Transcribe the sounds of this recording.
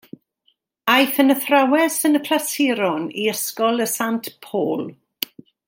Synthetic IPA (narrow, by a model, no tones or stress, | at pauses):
ajθənəθrawɛsənəkʰlasɪɾɔnḭəskɔlˠəsantpʰoːlˠ